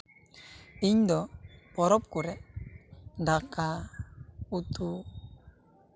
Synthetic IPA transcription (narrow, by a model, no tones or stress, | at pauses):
iɲd̪ɔpɔɾɔp̚kuɾɛ | nd̪aka | ut̪u